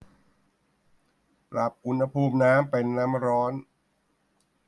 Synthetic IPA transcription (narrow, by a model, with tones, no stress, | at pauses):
pɾa˨˩p̚ʔu˧nha˧pʰuː˥˩mnaː˦˥mpe˧nːa˦˥mɾɔː˦˥n